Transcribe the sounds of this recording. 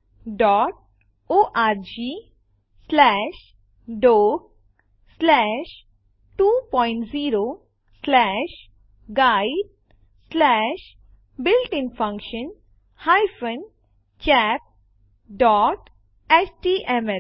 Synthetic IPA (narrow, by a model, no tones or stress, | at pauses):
ɖɔːʈ̚ | oːʔaːɾd͡ʒiː | slɛːʃ | ɖoːɡ̚ | slɛːʃ | ʈuːpɔːɪ̃ɳʈziːɾo | slɛːʃ | ɡaːɪɖ̚ | slɛːʃ | bɪlʈɪ̃ŋfɐ̃ŋkʃə̃n | hajfə̃n | t͡ʃɛːp̚ | ɖɔːʈ | ɛt͡ʃʈiʔɛmɛ